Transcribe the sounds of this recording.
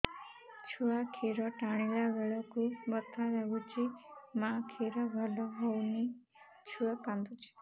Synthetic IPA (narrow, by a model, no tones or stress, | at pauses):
t͡ʃʰuakʰiɾɔʈaɽ̃ilaʋeɭɔkubət̪ʰːaɾaɡut͡ʃʰimãkʰiɾɔɡʱɔlɔɦɔwni | t͡ʃʰuapãnd̪ut͡ʃʰi̥